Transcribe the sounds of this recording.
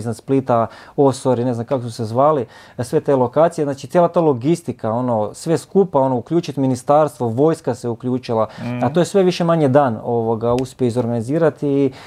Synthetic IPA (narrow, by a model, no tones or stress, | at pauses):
iznasplit̪ao̞soɾineznamkakosusezʋaːlisʋe̞t̪e̞lˠo̞kaːt̪sije̞znaːt͡ʃit̪jelˠat̪aːlˠoɡist̪ikao̞no̞sʋe̞skupao̞noukʎʲuːt͡ʃit̪minist̪aːɾst̪ʋo̞ʋo̞jskaseukʎuːt͡ʃilaat̪oje̞sʋe̞ʋiʃe̞maɲed̪aːno̞ʋo̞ɡauspʲjoizo̞ɾɡaniziːɾat̪iː